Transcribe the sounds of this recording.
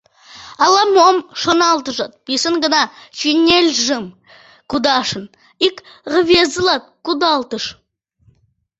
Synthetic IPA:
ɑlˠɑmomʃonɑlˠt̪əʒot̪̚b̥isəŋɡənɑʃinʲelʲʒəm | kud̪ɑʃən | ikʁəvezəlˠɑt̪̚kud̪ɑlˠt̪əʃ

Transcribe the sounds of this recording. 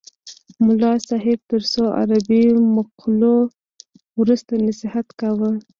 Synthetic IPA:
mʊlɑsɑɦɪb̚t̪əɾsoa̰ɾabimʊqlo | wɾust̪anasɪhat̪kawə

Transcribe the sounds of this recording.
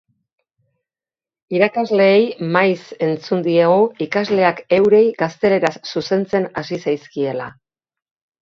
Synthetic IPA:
iɾakazle̞ːjmajse̞nt͡sund̪ieɣoikazle̞ake̞wɾe̞jɡast̪e̞le̞ɾasːuse̞nt͡se̞nasisajskie̞la̰

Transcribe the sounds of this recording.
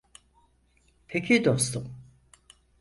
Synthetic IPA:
pʰecʰid̪ost̪ʰum

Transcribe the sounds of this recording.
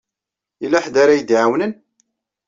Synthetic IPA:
ilːæħd̪aɾajəd̪ʕawnən

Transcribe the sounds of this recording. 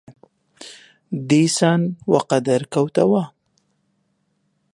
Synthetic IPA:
d̪esɑnwaqad̪aɾkawt̪awa

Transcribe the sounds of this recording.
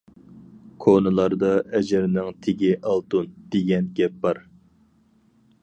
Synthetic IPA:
kʰonɨlˠɑɾd̪ɑɛd͡ʒɪɾnɪŋt̪ʰeɡʲɪʔɑlˠt̪und̪̥eɡʲɛnɡʲɛp̚bɑɾ

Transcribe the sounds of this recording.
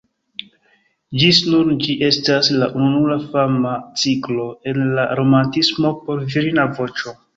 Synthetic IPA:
d͡ʒisnund͡ʒiʔe̞staslaʔununulafamat͡siklo̞e̞nlaɾo̞mantismo̞po̞ɾviɾinavo̞t͡ʃo̞

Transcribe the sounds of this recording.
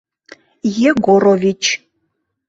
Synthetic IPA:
jeɡoɾovʲit͡ʃʰ

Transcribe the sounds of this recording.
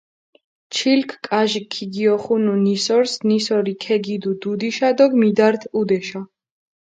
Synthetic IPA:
t͡ʃʰilkʰkʼaʒikʰːiɡiɔχununisɔɾsnisɔɾikʰɛɡid̪ud̪ud̪iʃad̪ɔɡmid̪aɾt̪ʰud̪ɛʃa

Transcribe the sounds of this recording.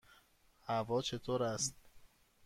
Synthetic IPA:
hævɒːt͡ʃʰet̪ʰoːɾæst̪̚

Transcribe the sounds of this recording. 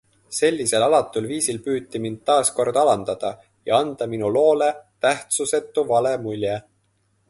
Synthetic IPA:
se̞lʲːise̞lɑlɑt̪ːˑulviːsilpyːt̪ːimind̪̥̚t̪ːɑːsko̞rd̪̥ɑlɑnd̪̥ɑd̪̥ɑ | jɑ̰ɑnd̪̥ɑminulo̞ːle̞t̪æht̪suse̞t̪ːˑuvɑle̞mulʲje

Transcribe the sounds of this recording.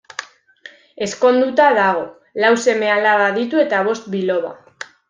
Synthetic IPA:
e̞sko̞nd̪ut̪aðaɣ̞o̞ | lawse̞me̞alaɣaðit̪ue̞t̪aβ̞o̞st̪bilo̞βa̰

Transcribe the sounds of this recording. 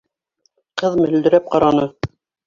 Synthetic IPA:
qɤðmɘ̆ld̪ɘ̆ɾæp̚qɑɾɑnɤ

